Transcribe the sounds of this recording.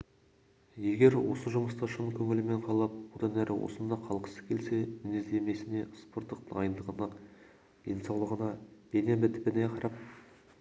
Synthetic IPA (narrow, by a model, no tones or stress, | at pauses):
je̞ɡʲe̞ɾwo̞̰səʒʊməst̪ɑʃənkʲʰɵŋɪlɪme̞ɴqʰɑlˠɑp̚bod̪ɑnæɾʔɪwʔo̞̰sənd̪ɑqʰɑlˠqə̥sə̥z̥kʲʰe̞lse̞mɪnezd̪e̞me̞sɪne̞spo̞ɾt̪ːəqd̪ɑjənd̪əʁənɑ | d̪̥e̞nsɑwlˠəʁənɑd̪enebɪt̪pɪneqʰɑɾɑp̚